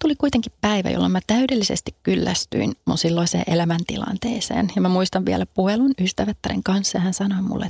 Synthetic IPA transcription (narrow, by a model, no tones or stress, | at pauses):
t̪ulikuit̪eŋkippæiʋæ̰jo̰lːɑmːæt̪æydelːisest̪ikkylːæst̪y̰inmunsilːoisḛːʔelæmænt̪ilɑ̰nt̪ḛːsḛːnjɑmæmuist̪ɑʋʋiælæpuhelunyst̪æʋæt̪ːærḛŋkɑnsːehænsɑnoimṵlːḛt̪